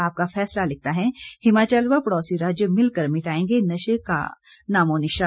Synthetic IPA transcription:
aːp̚kafɛːslalɪk̚t̪aɦɛhɪmaːt͡ʃaːlʋapɐɽɔːsiɾaːd͡ʒjəmɪlkɐɾmɪʈaːẽːŋɡenɐʃəka̰naːmoːnɪʃa

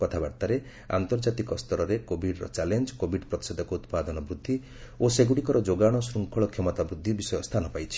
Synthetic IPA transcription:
kɔt̪ʰabaɾt̪aɾe | a̰nt̪ɔɾd͡ʒat̪ikɔst̪ʰɔɾɔɾekobʱiɖɾɔ̰t͡ʃalend͡ʒɔkobʱiɖpɾɔt̪i̥sɔd̪ʱɔkout̪pad̪ɔnɔbɾud̪ʱːi | oseɡuɽikɔɾɔd͡ʒoɡaɽ̃ɔsɾuŋkʰɔɭɔkʰemɔt̪abɾud̪ʱːibisɔjɔst̪ʰanɔpajt͡ʃʰi̥

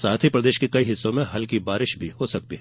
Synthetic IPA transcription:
saːt̪ʰipɾɐd̪eːʃkekɐiɦɪsːõmẽɦɐlkibaːɾɪʃbʱihosɐk̚t̪iɦɛ

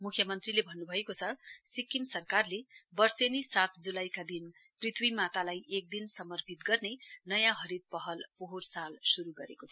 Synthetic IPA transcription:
mukʰjʌmʌnt̪rilebʱʌnːubʱʌekot͡sʰʌsikːimsʌrkarlebʌrsenisat̪ʰd͡zulajkad̪in | prit̪ʰwimat̪alajʔek̚d̪insʌmʌrpʰit̪ɡʌrnenʌjãɦʌɾid̪̚pʌɦʌlpoɦorsalsuɾuɡʌɾekot̪ʰ

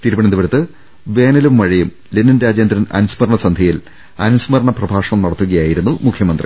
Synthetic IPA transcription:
t̪iɾubɐɳɐnd̪uʋɐɾut̪ːɨ | ʋe̞ːnɐlumʋɐɻijum | lenːɐnɾaːd͡ʑjend̪ɾɐnɐ̰nusmɐɾɐɳɐsɐnd̪ʱɐjil | ɐnusmɐɾɐɳɐprɐbʱaːʂɐɳɐmnɐɽɐt̪ːuɣɐjaːjiɾunːumukʰjɐmɐnd̪rḭ

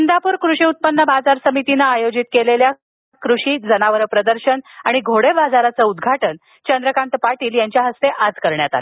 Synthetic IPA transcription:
nd̪apuːɾkɾuʂiːut̪̚pənːəbad͡zaɾsəmit̪inaːjod͡ʑit̪̚kelelja | kɾuʂiːd͡zənaʋəɾəpɾəd̪əɾɕənaɽ̃iɡʱoɽebad͡zaɾat͡səud̪ɡʱaʈən | t͡ɕənd̪ɾəkaɳʈ̪əpaʈiːljaɲt͡ɕjaɦəst̪eʔad͡zkəɾɳjat̪a̰le

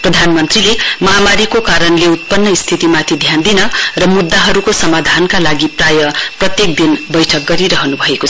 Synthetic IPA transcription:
prʌd̪ʱanmʌnt̪rilemʌɦamaɾikokaɾʌnleut̪̚pʌnːʌist̪ʰit̪imat̪ʰid̪ʱjand̪inʌrʌmud̪ːaɦʌɾukosʌmad̪ʱankalaɡiprajʌprʌt̪jek̚d̪inbʌjʈʰʌk̚ɡʌɾiɾʌɦʌnubʱʌekot͡sʰ

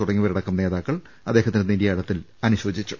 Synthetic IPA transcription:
uɽɐŋːiʋɐɾiɽɐkːɐmne̞ːðaːkːɐɭ | ɐd̪eːɦɐt̪ːineniɾjaːiɽɐt̪ːil | ɐnuɕo̞ːd͡ʑit͡ɕːu̥

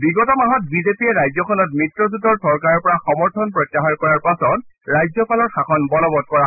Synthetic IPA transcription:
biɡɔtɔmaɦɔt̚bizepiɛɹajzɔkʰɔnɔtmɹitɹɔzudɔɹsɔɹkaɹɔɹpɔɹaxɔmɔɹtʰɔnpɹɔjtjaxaɹkɔɹaɹpasɔtɹajzɔpalɔɹxakʰɔnbɔlɔbɔd̚kɔɹa

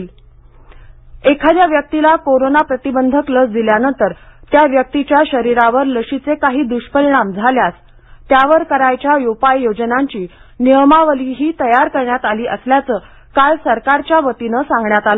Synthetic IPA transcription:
ekʰad̪jaʋjək̚t̪ilakoɾonapɾət̪ibənd̪ʱəkləsd̪iljanənt̪əɾt̪jaʋjək̚t̪it͡ɕjaɕəɾiɾaʋəɾləɕit͡sekaɦiːd̪uɕpəliɽ̃amd͡zʱaljas | t̪jaʋəɾkəɾajt͡ɕjajupajːod͡ʑnaɲt͡ɕiːniəmaʋəliɦiːt̪əjaɾkəɾɳjat̪aliːʔəsljat͡səː | kalsəɾkaɾt͡ɕjaʋət̪inəsãŋɡɳjat̪alə

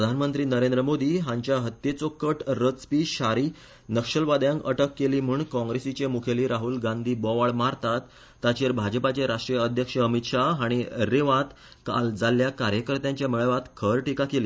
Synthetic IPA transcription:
pɾəd̪ʱanmənt̪ɾiːnəɾẽnd̪ɾəmod̪iːɦãɲt͡ɕjaɦət̪ːjet͡sokəʈɾət͡spiɕaɾiː | nəkʂəlʋad̪jãŋkə̰ʈəkːeliːm̤uɳkɔ̃ŋɡɾesit͡ɕemukʰeliːɾaɦulɡãnd̪ʱiːbɔʋaɭmaɾt̪at̪ː | at͡ɕeɾbʱad͡ʑəpat͡ɕeɾaʂʈɾijəəd̪ʱjəkʂəəmit̪ʂaaɽ̃iɾeʋãt̪ | ka̰ld͡zaljakaɾjəkəɾt̪jãɲt͡ɕjamiɭəʋat̪kʰəɾʈikakeliː

